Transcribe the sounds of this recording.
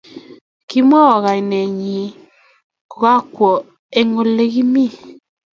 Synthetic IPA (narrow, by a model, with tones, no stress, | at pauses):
ki˦m˦a˦wa˨ɣa˨i˨nɛ˨ɲi˨ | ɣa˦kwɔ˨ | e˨ŋo˨le˦ɣi˦mi˦˨